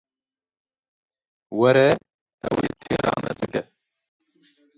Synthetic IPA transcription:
wɛɾɛ | ɛweːt̪ʰeːɾɑ̰ːmʔɛbɨɡɛ

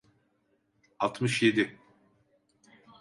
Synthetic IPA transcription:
alˠt̪ʰmɯʃje̞d̪ɪ

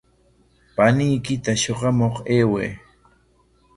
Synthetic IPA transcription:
panɪjkɪt̪aʃoɢɑmoχeːwḛː

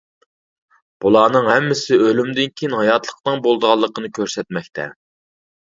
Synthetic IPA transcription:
b̥ulˠɑːnɨŋhɛmːɪsɪølymd̪ɪnkʲʰijinhɑjɑt̪lˠə̥qnɨŋbolˠd̪əʁɑlˠːəqʰənɨkʲʰøɾsɛt̪̚mɛkʲt̪ʰɛ̰

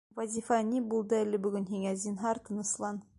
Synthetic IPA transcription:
vɐzʲifɑnʲibulˠd̪ɤælɘbɵ̆ɡɵnɦiŋæzʲinɦɑɾt̪ɤ̆nɤ̆slˠɑn

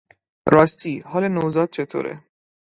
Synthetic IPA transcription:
ɾɒːst̪ʰiːhɒːlenozɒːd̪̚t͡ʃʰe̞t̪ʰo̰ːɾḛ

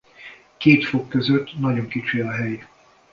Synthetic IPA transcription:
keːt̪fokːøzøt̪ːnɒɟo̞ŋkit͡ʃiɒɦɛj

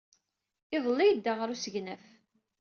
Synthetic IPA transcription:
ɪðˤəlːɪjəd̪ːaʁəɾusəʝnəf

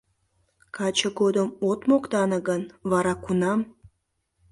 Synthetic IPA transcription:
kɑt͡ɕəɡod̪əmot̪mokt̪ɑnəɣənβɑɾɑkunɑm

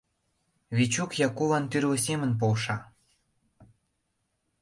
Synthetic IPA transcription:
βit͡ɕukjɑkuβɑnt̪yɾlesemə̆np̬olʃɑ

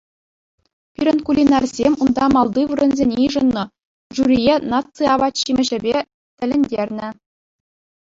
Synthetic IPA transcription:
pʲiɾʲɘ̆nkulʲinɑrzʲemʲund̪ɑmɑlˠd̪ɯʋɯɾɤ̆nzʲenʲiʐɤ̆nːɤ̆ | ʐuɾʲijenɑt͡sɨɑbɑt̪ɕimʲɘ̆ʑɘ̆bʲe | t̪ʲɘ̆lʲɘ̆nʲdʲerʲnʲɘ̆

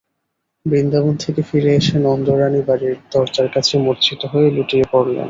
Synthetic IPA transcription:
bɾind̪abont̪ʰekefiɾeeʃenɔnd̪oɾanibaɾiɾd̪ɔɾt͡ɕaɾkat͡ɕʰemoɾt͡ɕʰit̪oɦoeluʈiepoɾlḛn

